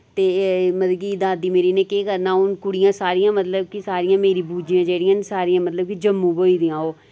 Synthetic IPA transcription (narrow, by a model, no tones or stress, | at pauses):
t̪eːməd̪ɡiːd̪aːd̪iːmeːɾiːneːkeːkəɾnaːʊnkʊɽɪjãːsaːɾɪjãːmət̪ləb̚kisaːɾɪjãːmeːɾiːbuːd͡ʒijãːd͡ʒeːɽɪjãːnsaːɾijãːmət̪ləb̚kid͡ʒəmːũːboːiːd̪ijãːɦoː